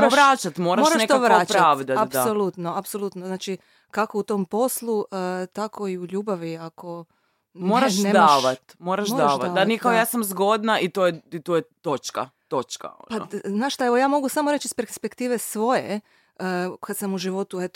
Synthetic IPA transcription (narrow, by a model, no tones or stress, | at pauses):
t̪oʋɾaːt͡ʃat̪mo̞ːɾamoɾaʃnʃekt̪oʋɾaot͡ʃpɾaʋd̪ataasolut̪noapsolˠut̪noznaːt͡ʃi | kako̞ut̪o̞mpo̞slˠuət̪akʰo̞iuʎuːbaʋiakʰo̞ | moɾaʃned̪aʃʋat̪mo̞ːɾaʃmoaʃʋaanikaojaːsamzɡo̞d̪naʔit̪oːjeit̪ojet̪o̞t͡ʃka̰t̪o̞t͡ʃka̰o̰pa̰znaːʃt̪aeʋojaːmo̞ɡusamoɾe̞t͡ʃispeɾspe̞kt̪iːʋe̞sʋo̞je | əkad̪samuʒiʋo̞t̪uet̪